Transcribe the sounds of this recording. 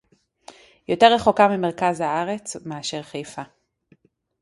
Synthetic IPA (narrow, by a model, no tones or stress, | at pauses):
jo̞te̞ʁ̞eχokamimeʁkazhaaʁe̞t͡smeaʃeʁχejfa